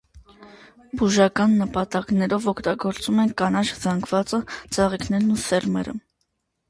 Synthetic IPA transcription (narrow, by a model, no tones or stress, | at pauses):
buʒɑkɑnːəpɑt̪ɑknɛɾɔvɔkʰt̪ɑɡɔɾt͡sumɛnkɑnɑt͡ʃzɑŋɡʰvɑt͡sət͡sʰɑʁikʰnɛɾnusɛɾmɛɾə̰